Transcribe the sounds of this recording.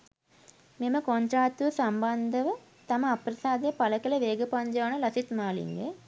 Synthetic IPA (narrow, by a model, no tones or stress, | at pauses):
memɐkoɲt͡ʃaːt̪usɐmbɐnd̪ʱɐʋɐ | t̪ɐmɐːpɾɐsaːd̪eːpɐlɐkɐlɐʋeːɡɐpɐɲd͡ʒɐʋɐnɐlɐsit̪maːlḭŋɡḛ